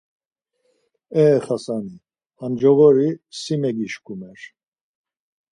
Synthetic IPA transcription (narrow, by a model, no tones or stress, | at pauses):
ɛχasani | and͡ʒɔvɔɾisimɛɡiʃkʰʼumɛɾ